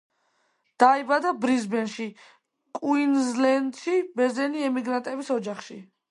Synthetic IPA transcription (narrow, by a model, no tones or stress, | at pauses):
d̪̥aibad̪abɾizbɛnʃi | kʼwinzlɛnd̪ʃibɛɾzɛniɛmiɡɾant̪ʼɛbisɔd͡ʒaχʃi